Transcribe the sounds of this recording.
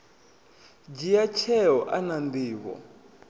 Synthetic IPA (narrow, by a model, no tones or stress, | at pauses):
d͡ʒijat͡ʃʰɛɔʔananbiːk̬ɔ̰